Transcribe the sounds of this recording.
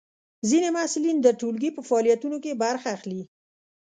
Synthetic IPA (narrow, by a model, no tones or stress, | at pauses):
zinemasɪlind̪əʈolɡipəfaːlijat̪unokebaɾxaːxli